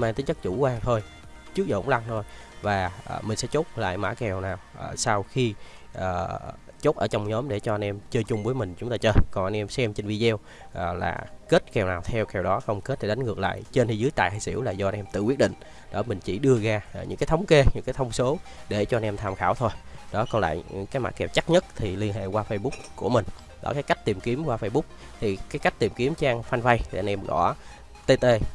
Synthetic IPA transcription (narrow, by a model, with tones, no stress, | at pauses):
maː˨˩t̪ï˨˦ŋt͡ɕə˦˥k̚t͡ɕu˧˩kwaː˧ŋt̪ʰo˧j | t͡ɕɨ˦˥k̚zə̰˧˩˨ŋ͡mla˧ŋt̪ʰo˧j | vaː˨˩˨mï˨˩ŋ̟sɛ̰˧˥t͡ɕo˦˥t̚la̰ː˧˨jma̰ː˧˥kɛ˨˩wnaː˨˩wʔsa˧wxi˧ | ʔəː˨˩ | t͡ɕo˦˥t̚ʔəː˧˩t͡ɕɔ˧wŋ͡mɲɔ˨˦mɗe˧˩t͡ɕɔ˧ʔa˧nʔɛ˧mt͡ɕəː˧t͡ɕʊ˧ŋ͡mvəː˨˦jmï˨˩ŋ̟t͡ɕʊ˨˦ŋ͡mt̪aː˧t͡ɕəː˧kɔ˨˩ŋʔnʔɛ˧msɛ˧mt͡ɕe˧nvi˧zɛ˧w | ʔə˨˩la̰ː˨˩ke˦˥t̚kɛ˨˩wnaː˨˩wt̪ʰɛ˧wkɛ˨˩wɗɔ˨˦xə˧wŋ͡mke˦˥t̚ɗ̪ʰe˧˩a˨˦ŋ̟ŋɨ˨˩ək̚la̰ː˧˨jt͡ɕe˧nhi˧˩zɨ˨˦jt̪a̰ː˧˨ɦaː˧˩jsḭ˧˩əwlaː˨˩zɔ˧a˧nʔɛ˧mt̪ɨ̰˧˩kwi˦˥ət̚ɗḭ˧˨ŋ̟ | ɗɔ˨˦mï˨˩ŋ̟t͡ɕi˧˩ɗɨ˧əɣaː˧˨ɲɨ̰˧˥ŋkaː˨˦jt̪ʰwŋ͡mke˧ɲɨ̰˧˥ŋkaː˨˦jt̪ʰə˧wŋ͡mso˨˦ɗe˧˩t͡ɕɔ˧ʔa˧nʔɛ˧mt̪ʰaː˧˩mxaː˧˩wt̪ʰo˧jɗɔ˨˦kɔ˧nla̰ː˧˨jkaː˨˦jma̰˧˩kɛ˨˩p̚t͡ɕa˦˥t̚ɲə˦˥t̚t̪ʰi˨˩li˧ənɦḛ˧˨kwaː˧fə˧jɓʊ˦˥k͡pku˧˩əmï˨˩ŋ̟ | ɗɔ̰˨˦kaː˨˦jka˦˥jk̟̚t̪i˨˩mki˨˦əmkwaː˧fə˧jɓʊ˦˥k͡p̚ | t̪ʰi˨˩kaː˨˦jka˦˥k̚t̪i˨˩mki˨˦əmt͡ɕaː˧ŋfa˧nva˧jt̪ʰi˨˩a˧nʔɛ˧mɣɔ̰˧˩ | t̪e˧t̪e˧